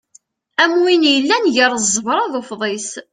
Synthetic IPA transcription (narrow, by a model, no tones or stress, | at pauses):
æmwinjəlːænʝəɾˤəzˤːəvɾˤɑðˤofðˤes